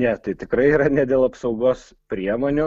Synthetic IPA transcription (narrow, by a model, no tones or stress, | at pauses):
nʲɛt̪ɐɪt̪ʲɪkɾɐɪiːɾɐnʲɛd̪ʲeːlˠɐpsɒʊɡoːs | pʲɾʲiɛmoːnʲʊ